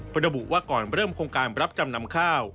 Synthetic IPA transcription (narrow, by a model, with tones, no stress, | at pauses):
ɾa˧bu˨˩ʔwaː˥˩kɔː˨˩nɾɤː˥˩mkʰoː˧ŋkaː˧nɾa˦˥p̚t͡ɕa˧mna˦˥mkʰaː˥˩w